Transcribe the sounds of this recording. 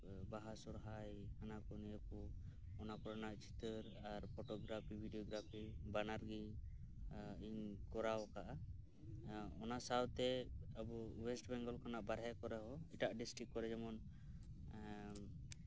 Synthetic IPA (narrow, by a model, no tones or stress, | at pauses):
baɦasɔɾɦajhanakɔnɛjəkɔ | ɔnakɔɾanaʔt͡ʃi̥t̪əɾ | aɾpʰɔʈɔɡɾapʰibʱiɖiɔɡɾapʰibanaɾɡi | iɲkɔɾawkaʔa | ɔnasawt̪ɛabɔwɛsʈbɛŋɡɔlkanaʔbaɾɦɛkɔɾɛɦɔiʈaʔɖisʈɾikːɔɾɛd͡ʒɛmɔn